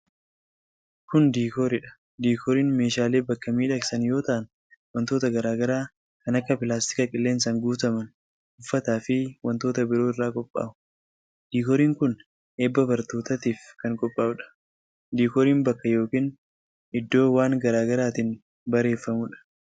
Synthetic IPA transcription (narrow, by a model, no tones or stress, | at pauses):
kʊnd̪iːkoɾɪᶑɐ̥ | d̪iːkʰɔɾiːnme̞ːʃaːle̞ːbɐkːɐmiːᶑɐksɐnjo̞ːt̪ɐʔɐn | wɐnt̪o̞ːt̪ɐɡɐɾaːɡɐɾaː | kɐnɐkːɐpɪlaːst̪ɪ̥kɐkʼɪlːeːnsɐŋɡuːt̪ɐmɐn | ʊfːɐt̪aːfɪwɐnt̪o̞ːt̪ɐbɪɾo̞ːɪrːaːkʼɔpʼːa̰ːʊ | d̪̥iːkɔɾiːŋkʊn | ʔeːbːɐbɐɾt̪oːt̪ɐt̪iːfkɐŋkʼɔpʼːaːʊᶑɐ̥ | d̪iːkɔɾiːmbɐkːɐjo̞ːkiːn | ʔɪd̪ːo̞ːwaːŋɡɐɾaːɡɐɾaːt̪ɪn | bɐɾe̞ːfːɐmʊᶑɐ̥